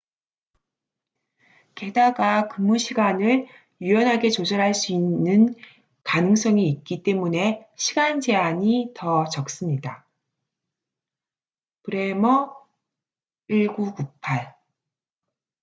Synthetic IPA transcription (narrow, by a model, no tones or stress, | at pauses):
ke̞daɡakɯmːuɕʰiɡanɯɭ | uʌnɦaɡe̞t͡ɕod͡ʑʌɾɦaɭs͈uinːɯn | kanɯŋs͈ʌŋiːt̚k͈it͈e̞mune̞ɕʰiɡand͡ʑe̞aɲitʌt͡ɕʌk̚s͈ɯmɲida | pɯɾe̞mʌ | iɭɡukupʰaɭ